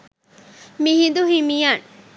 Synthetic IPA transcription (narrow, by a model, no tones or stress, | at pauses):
mihind̪uɦimijan